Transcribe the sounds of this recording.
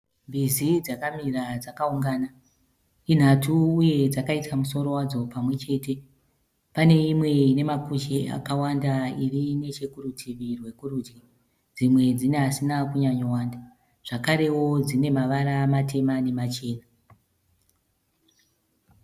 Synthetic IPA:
mbizid͡zakamirad͡zakauŋɡaːna | in̤atʰuːje̞d͡zakaitamuso̞ɾo̞wad͡zo̞pamwe̞t͡ʃe̞ːte̞ | pane̞imwe̞ine̞makut͡ʃea̰kawandairine̞t͡ʃekurutʰiʋirwe̞kurud͡ʒi | d͡zimwe̞d͡zineɦasinakuɲaɲowaːnda | ʐ̥akaɾe̞wo̞d͡zine̞maʋaɾamatʰe̞mane̞mat͡ʃe̞ːna

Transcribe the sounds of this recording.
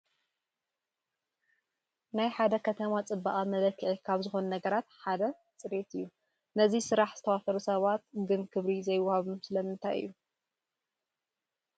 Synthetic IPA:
najħad̪ɐkʰɐt̪ʰɐmat͡sʼɨbːaʔʼamɐlɐkːɨʕikʰaβzɨxo̞nunɐɡɐɾat̪ħad̪ɐ | t͡sʼɨɾet̪ɨjːu | nɐzisɨɾaħz̥ɨt̪ʰɐwafɐɾusɐβat̪̚ɡɨnkʰɨβɾizɐjwʊhaβumsɨlɐmɨnt̪ʰajɨ̰jːu

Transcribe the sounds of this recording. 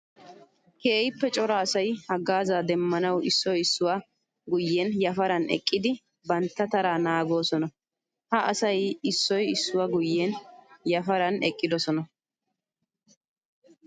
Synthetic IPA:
keːjɪpːɛt͡ʃʼɔɾaːsɐjhɐɡaːzaːd̪ɛmːɐnɐwɪsːɔjɪsːʊwa | ɡʊjːɛnjɐfɐɾɐnɛ̰kʼːɪd̪ɪ | bɐnt̪ːɐt̪ɐɾaːnaːɡo̞ːsɔnɐ | hɐʔɐsɐjɪsːɔjɪsːʊwaɡʊjːɛnjɐfɐɾɐnɛkʼːɪd̪ɔsɔnɐ

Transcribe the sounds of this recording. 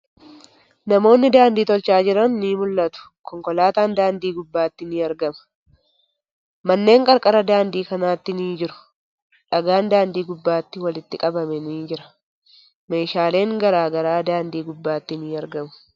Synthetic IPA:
nɐmo̞ːnːɪd̪aːnd̪iːt̪ɔlt͡ʃaːd͡ʒɪɾɐnːiːmʊlːɐt̪ʊ̥ | kɔŋkʼɔlaːt̪aːnd̪aːnd̪iːɡʊbːaːt̪ːɪnɪɐɾɡɐmɐ̥ | mɐnːe̞ːŋkʼɐɾkʼɐɾɐd̪aːnd̪iːkɐnaːt̪ːɪniːd͡ʒɪɾʊ̥ | ᶑɐɡaːnd̪aːnd̪iːɡʊbːaːt̪ːɪwɐlɪt̪ːɪkʼɐbɐmɛniːd͡ʒɪɾɐ̥ | me̞ːʃaːle̞ːŋɡɐɾaːɡɐɾaːd̪aːnd̪iːɡʊbːaːt̪ːɪniɐɾɡɐmʊ̥

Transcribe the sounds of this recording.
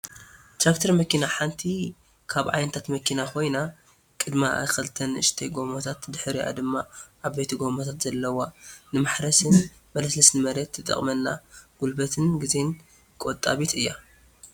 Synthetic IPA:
t̪ɾakt̪ʰɐɾmɐkinaħant̪ʰi | kʰaβʕa̰jnɐt̪ʰat̪mɐkʰinakʰo̞jna | kʼɨd̪maa̰kɐlt̪ʰɐnɨ̰ʃt̪ʰɐjɡo̞mot̪ʰat̪d̪ɨħɾiʔa̰d̪ɨmːaʔaβːet̪ʰiɡomot̪ʰat̪z̥ɐlːɐwanɨmaħɾɐsɨn | mɐlɐslɐsnɨmɐɾet̪ːɨt̪ʼɐ̰χʼmɐnːa̰ɡ̥ulbɐt̪ʰɨnɡɨzen | kʼot̪ʼːa̰βit̪ɨjːa

